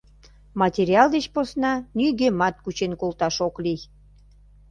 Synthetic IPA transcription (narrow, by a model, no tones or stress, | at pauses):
mɑtʲeɾʲiɑld̪et͡ɕposnɑnyɣemɑt̪̚kut͡ɕenkolt̪ɑʃoklij